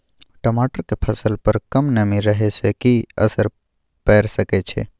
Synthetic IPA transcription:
ʈəmaʈəɾkepʰəsəlpəɾkəmnəmiɾəɦesekiə̰səɾ | pɛɾsəkɛt͡ʃʰḛ

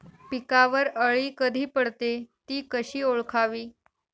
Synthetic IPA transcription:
pikaʋəɾəɭiːkəd̪ʱiːpəɽt̪et̪iːkəɕiːoɭkʰaʋiː

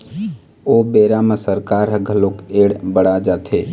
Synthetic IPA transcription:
oːbeːɾamə̃səɾkaːɾɦəɡʱəlokeːɽbəɽad͡ʒaːt̪ʰeː

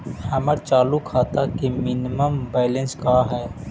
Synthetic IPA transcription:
hɐməɾt͡ʃaːlukʰaːt̪akimɪnɪməmbaːɪlẽnskaːɦɛː

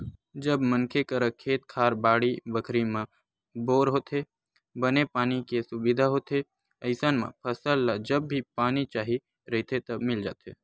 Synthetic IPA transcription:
d͡ʒəbmənkʰekəɾəkʰːeːt̪kʰaːɾbaːɽibəkʰɾimã | boːɾɦoːt̪ɦe | bənepaːnikesʊbɪd̪ʱaɦoːt̪e | əɪsənmã̰pʰəsəlːad͡ʒəbːipaːnit͡ʃaːɦi | ɾəɦt̪ʰet̪ɐbmɪld͡ʒa̰ːt̪ḛː

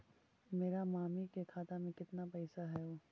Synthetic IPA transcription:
meːɾamaːmikekʰaːt̪amẽkɪt̪napɛɪsaɦɛoː

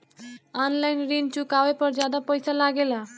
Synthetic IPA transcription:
ɔnlainɾint͡ɕukaʋapəɾd͡ʑjad̪apəjsalaɡela

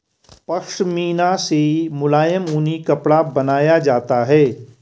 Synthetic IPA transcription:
pɐkʃmiːnasemʊlaːjəmuːnikɐpɽabɐnaːjad͡ʒaːt̪aɦɛː

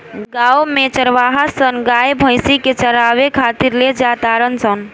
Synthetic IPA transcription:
ɡaːomẽt͡ʃəɾʋaːɦasənɡajbʱəjsiket͡ʃəɾaːʋekʰat̪iɾled͡ʒaːt̪aɾənsən

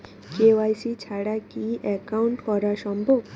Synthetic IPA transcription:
kewajsit͡ɕʰaɽakiʔɛkawuɳʈkɔɾasɔmbʱoɡ

